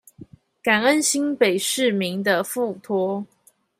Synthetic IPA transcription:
ka˨˩nə˦nɕi˦npe˨˩ɪʂɻ̩˥˨mi˨˦ŋd̪ə˧fu˥˨t̪ʰwɔ˥

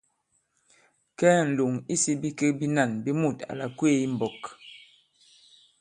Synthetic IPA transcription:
kɛː˦n̩˨lu˨ŋi˦si˦bi˦ke˦bi˦na˦˨nbi˦mu˦˨ta̰˨la˨kwe˦i˦m̩˨bɔ˨k

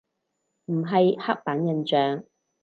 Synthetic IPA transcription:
m̩˨˩ɦɐ˨jha˥k̚paː˨˥njɐ˨nt͡ʃœː˨ŋ

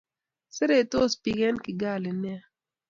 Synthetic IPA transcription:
sɪ˦ɾe˦˨to˦˨spi˨ɡɛ˦nkɪ˨ɡa˦˨lɪ˨n˦ɛ˦

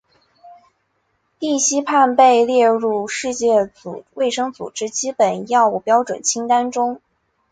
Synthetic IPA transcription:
t̪i˥˩ɕi˥pʰa˥˧npe˥˧ɪljɛ˥˧ɻu˥˧ʂɻ̩˥˧t͡ɕjɛ˥˩t͡sṵ˨˩we˥˩ɪʂɤ˥ŋt͡sṵ˨˩ʈ͡ʂɻ̩˥t͡ɕi˥pə˨˩njɑ˥˧ʊu˥˩pjɑ˥ʊʈ͡ʂwə̰˨˩nt͡ɕʰi˥ŋt̪a˥nʈ͡ʂʊ˥ŋ

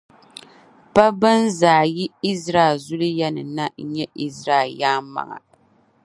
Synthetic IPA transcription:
pa˦bɨ˦nzaː˨ji˦i˦zɾaː˦˨lzʊ˦lɨ˦jɛ˦nɨ̰˨na˦ɲɛ˦ʔi˦zɾaː˦˨jaː˦ma̰˨ŋa̰˨

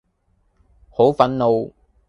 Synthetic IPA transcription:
ho˨˥wfɐ˨˥nlo˨˧w

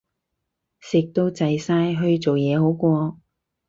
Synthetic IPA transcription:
sɪ˨˩k̚t̪o˧wt͡sɐ˨jsaː˧jɦɵ˧ɥt͡so˨wjɛː˨˧ho˨˥wkʷɔː˧

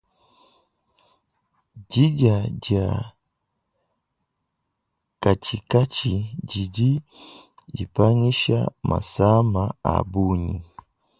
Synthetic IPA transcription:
ɟi˦ɟa˨ɟa˨ | ka˨t͡ʃi˨ka˦t͡ʃiɟiɟi˦ | d͡ʒi˨pa˦ŋi˦ʃa̰˦mʔa̰˨sa˦maa̰˨buɲi˨

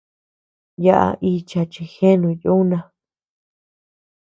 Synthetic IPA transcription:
ja˦ʔa̰˧ʔi˧t͡ʃa˧t͡ʃi˧xe˦nũ˧ju˦nã˧

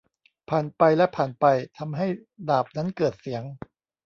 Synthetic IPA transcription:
pʰaː˨˩npa˧jlɛ˦˥pʰaː˨˩npa˧jt̪ʰa˧mɦa˥˩jdaː˨˩p̚na˦˥nkɤː˨˩t̪̚si˩˦əŋ

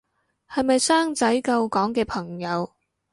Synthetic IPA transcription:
hɐ˨jmɐ˨jsaː˥ŋt͡sɐ˨˥jkɐ˧wkɔː˨˥ŋkɛː˧pʰɐ˨˩ŋjɐ˨˧w

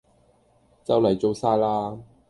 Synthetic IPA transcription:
t͡sɐ˥wlɐ˨˩jt͡so˧wsaː˥jlaː˥

